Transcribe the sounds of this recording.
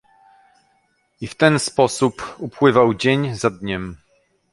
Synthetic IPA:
ift̪ɛnspɔsupupwɘvawd͡ʑeɲzad̪ɲɛm

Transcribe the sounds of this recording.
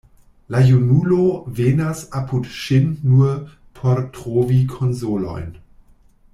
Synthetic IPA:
lajunulovenasapʰudʃinːu | pʰoɾtʁovikʰonzolo̰jn

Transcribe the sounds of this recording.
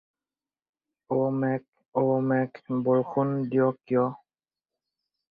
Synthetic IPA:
omɛk̚ | omɛkbɔɹxundijɔkjɔ

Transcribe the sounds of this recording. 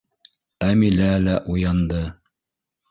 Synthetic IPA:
æmilælæʔujɑnd̪ɤ

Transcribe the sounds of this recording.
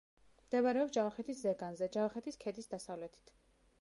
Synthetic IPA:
md̪ɛvaɾɛɔpsd͡ʒavχɛt̪ʰiszɛɡanzɛd͡ʒavχɛt̪ʰiskʰɛd̪isd̪asavlɛt̪ʰi̥t̪ʰ

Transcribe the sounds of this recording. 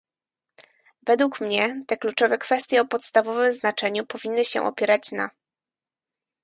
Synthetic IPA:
vɛd̪wukmɲɛt̪ɛklut͡ʂɔvɛkfɛst̪ʲjɛɔpɔt̪st̪avɔvɘmznat͡ʂɛɲupɔvʲinːɘɕɛ̰ʔɔ̰pʲjɛɾat͡ɕna̰

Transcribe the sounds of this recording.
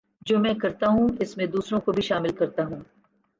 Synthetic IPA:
d͡ʒoːmɛ̃ːkɐɾt̪aɦũɪsmẽd̪uːsɾõkobʱiʃaːmɪlkɐɾt̪aɦũː

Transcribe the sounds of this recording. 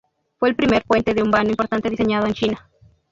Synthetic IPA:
fwe̞ːlpɾime̞ɾpwe̞nt̪eðeumbanoimpo̞ɾt̪ant̪eðiseɲaðoent͡ʃina

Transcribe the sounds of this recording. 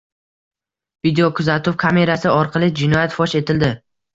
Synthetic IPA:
vid̪ejokʰʊzat̪ʰʊwkʰame̞ɾasɪɒɾqʰɑlˠɪd͡ʒɪnɒjat̪fɒʃe̞t̪ʰɪld̪ɪ

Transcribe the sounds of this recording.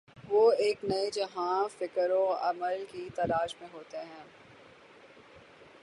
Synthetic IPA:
ʋoːeːknɐed͡ʒɐɦãfɪkɾõɐ̰məlkit̪ɐlaːʃmẽɦoːt̪eɦɛ̃ː

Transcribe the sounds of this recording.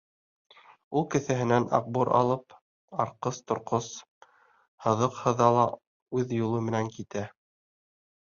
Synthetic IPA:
ulˠkɘ̆θɘ̆ɦɘ̆nænɑ̰q̚buɾɑ̰lˠɤp | ɑɾqɤst̪ŏɾqos | hɤ̆ðɤqhɤ̆ðɑlˠɑ | ʉðjulˠɤmɘ̆næŋkit̪æ

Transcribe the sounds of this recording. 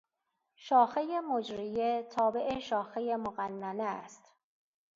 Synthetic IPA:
ʃɒːxejemod͡ʒɾijet̪ʰɒːbe̞ʔeʃɒːxejemoɣænːæneæst̪

